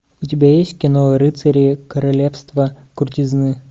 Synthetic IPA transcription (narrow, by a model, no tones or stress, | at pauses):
ʊtʲɪbʲajesʲtʲkʲɪnoɾɨt̪sɐɾʲiːkəɾɐlʲefst̪və | kʊrtʲɪznɨ